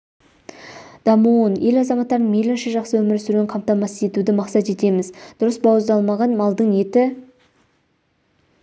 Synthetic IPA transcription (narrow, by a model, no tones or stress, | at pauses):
d̪̥ɑmunje̞lɑzɑmɑt̪ːɑɾd̪əɴmelɪnʃɪʒɑqsəwɵmɪɾsɪɾuɡʲɪɴqʰɑmp̚t̪ɑmɑsəe̞t̪ud̪ɪmɑqsɑt̪e̞t̪e̞mɪzd̪̥ʊɾəsbɑwəzd̪ɑlˠmɑʁɑnmɑlˠd̪əɴe̞t̪ɪ